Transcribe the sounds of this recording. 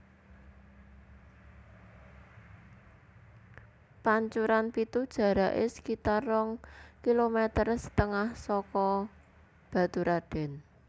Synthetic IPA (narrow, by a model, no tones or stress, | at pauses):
paɲt͡ʃuɾanpit̪ud̥ʒ̥ä̤ɾaʔɪ̰sə̥kit̪arɔŋkilomɛt̪ərsə̥t̪əŋahsɔkɔ | b̥a̤t̪uɾaɖ̥ɛ̤n